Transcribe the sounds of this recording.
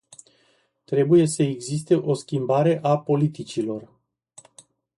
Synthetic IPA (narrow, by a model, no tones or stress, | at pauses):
t̪ɾe̞buje̞səeɡzist̪e̞ʔo̞skʲimbaɾe̞ʔapo̞lit̪it͡ʃilo̞r